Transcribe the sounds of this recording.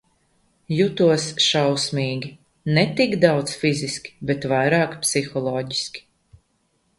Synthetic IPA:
jut̪uɔsʃawsmʲiːɡʲi | nɛt̪ikd̪awd̪sfiziskʲi̥bet̪vajɾaːkpsixɔlˠɔːɟiskʲi̥

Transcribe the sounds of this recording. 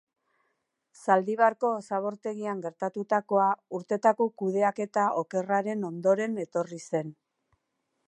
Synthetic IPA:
sald̪iβaɾko̞ːsaβ̞o̞ɾt̪e̞ɣ̞iaŋɡe̞ɾt̪at̪ut̪ako̞auɾt̪e̞t̪ako̞kuð̞e̞ake̞t̪aʔo̞ke̞raɾe̞no̞nd̪o̞ɾe̞ne̞t̪o̞rise̞n

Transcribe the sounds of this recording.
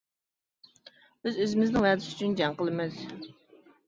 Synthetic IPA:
b̥ɪzøzɪmɪznɪŋæd̪ɪsy̥t͡ʃʰynd͡ʒɑŋqəlˠɨmɨz̥

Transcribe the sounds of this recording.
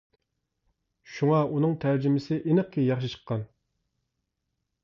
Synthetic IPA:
ʃuŋɑʔonəŋt̪ʰæɾd͡ʒɪmɪsʰəʔenəχkʲːijɑχʃ̬əʃə̥qːɑn

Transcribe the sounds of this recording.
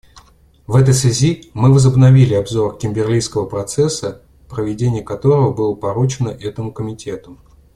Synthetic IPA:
vɛt̪̬əjsvʲɪzʲimɨvəzəbnɐvʲilʲɪɐbzo̞rkʲɪmʲbʲɪrlʲijskəvəpɾɐt̪sɛsːə | pɾəvʲɪdʲenʲɪjəkɐt̪o̞ɾəvəbɨlˠəpɐɾut͡ɕɪnəʔɛt̪əmʊkəmʲɪtʲʰe̞t̪ʊ

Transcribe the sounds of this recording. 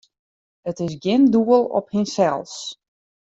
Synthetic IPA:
ətɪs̬ɡjɪnduəlˠɔ̰phɪnsɛlˠs

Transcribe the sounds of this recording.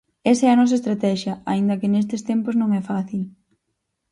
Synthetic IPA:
esɐɛɐnɔs̬ɐest̪ɾat̪ɛʃjɐa̰ind̪ɐkɪnest̪ɪst̪empoznõŋɛfaθil

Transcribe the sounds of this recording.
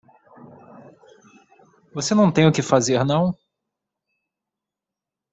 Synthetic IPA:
vosenɐ̃w̃t̪ẽj̃ʊkɪfazeɾnɐ̃w̃

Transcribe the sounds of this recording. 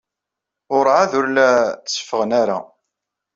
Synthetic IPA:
ʊɾʕaðʊɾlæə̥sə̥fəʁənaɾa̰

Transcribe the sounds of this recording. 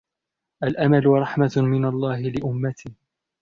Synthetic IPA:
ʔalʔamalʊɾˤɑħmamɪnalˤːɑːhɪlɪʔʊmːat̪ʰɪh

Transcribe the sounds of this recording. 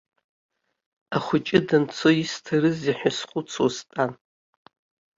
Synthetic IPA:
aχʷʊt͡ʃʼɪdant͡sʰoistʰaɾɨziħʷᶣasχʷʊt͡sʰostʼan

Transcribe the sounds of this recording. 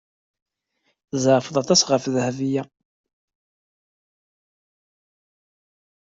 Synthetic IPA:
zəɾfəðˤɑt̪ˤɑsʁəfðhævijæ

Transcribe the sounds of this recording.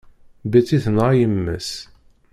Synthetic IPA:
bæt͡sːiθənʁajəmːə̰s

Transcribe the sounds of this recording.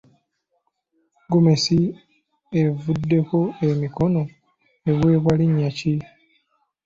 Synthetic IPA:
ɡomesi | evudːe̞ko̞emiko̞no̞ | eβwe̞ːβwaliɲːaci

